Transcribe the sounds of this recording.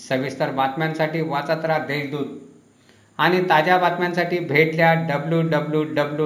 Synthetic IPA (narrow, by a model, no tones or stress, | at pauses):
səʋist̪əɾbat̪mãnsaʈiːʋat͡sat̪ɾad̪eld̪uːt̪ | aɽ̃it̪ad͡ʑjabat̪mjãnsaʈiːbʱeʈljaɖəbljuːɖəbljuɖəblju